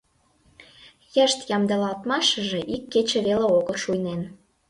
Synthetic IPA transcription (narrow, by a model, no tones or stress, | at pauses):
jəʃt̪jɑmd̪ə̆lɑlt̪mɑʃə̆ʒĕʔikːet͡ɕĕβeleoɣəʃujnen